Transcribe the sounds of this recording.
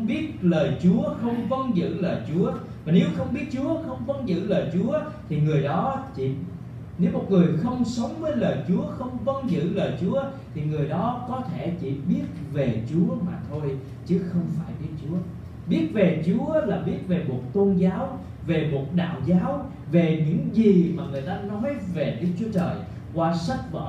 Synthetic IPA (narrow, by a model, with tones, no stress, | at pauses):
wŋ͡mɓi˦˥ət̚ləː˨˩jt͡ɕu˨˦əxə˧wŋ͡mvə˧nzɨ̰˧˨ləː˨˩jt͡ɕu˨˦ə | vaː˨˩ne˨˦wxə˧wŋ͡mɓi˦˥ət̚t͡ɕu˨˦əxə˧wŋ͡mvə˧nzɨ̰˧˨ləː˨˩jt͡ɕu˨˦ə | t̪ʰi˨˩ŋɨ˨˩əjɗɔ˨˦t͡ɕḭ˧˨ | ne˨˦wmo˨˩t̚ŋɨ˨˩əjxə˧wŋ͡msə˨˦wŋ͡mvəː˨˦jləː˨˩jt͡ɕu˨˦əxə˧wŋ͡mvə˧nzɨ̰˧˨ləː˨˩jt͡ɕu˨˦ə | t̪ʰi˨˩ŋɨ˨˩əjɗɔ˨˦kɔ˨˦t̪ʰe˧˩t͡ɕḭ˧˨ɓi˦˥ət̚ve˨˩t͡ɕu˨˦əmaː˨˩t̪ʰo˧j | t͡ɕɨ˨˦xə˧wŋ͡mfaː˧˩jɓi˦˥ət̚t͡ɕu˨˦ə | ɓi˦˥ət̚ve˨˩t͡ɕu˨˦əlaː˨˩ɓi˦˥ət̚ve˨˩mo˨˩t̚t̪o˧nzaː˨˦w | ve˨˩mo˨˩t̚ɗa̰ː˧˨wzaː˨˦w | ve˨˩ɲɨ̰˧˥ŋzi˨˩maː˨˩ŋɨ˨˩əjt̪aː˧nɔ˨˦jve˨˩ɗɨ˦˥k̚t͡ɕu˨˦t͡ɕəː˨˩j | kwaː˧sa˦˥t̚və̰˧˨˩